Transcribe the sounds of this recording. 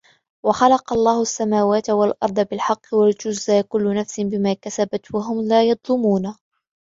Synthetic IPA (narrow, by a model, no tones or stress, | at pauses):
wɑxɑlɑqɑlˤːɑːhʊasːamaːwaːt̪walʔɑɾˤd̪ˤɑbɪlħɑqːɪwald͡ʒʊzʔaːkʊlːʊnafsɪnbɪmaːkasabat̪waɦʊmlaːjɑd̪ˤlʊmuːna